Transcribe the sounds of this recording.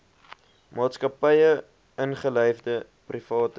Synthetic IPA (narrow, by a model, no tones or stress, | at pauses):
mɑːtskɐpəjə | ənχəlœjfdə | prifɑːt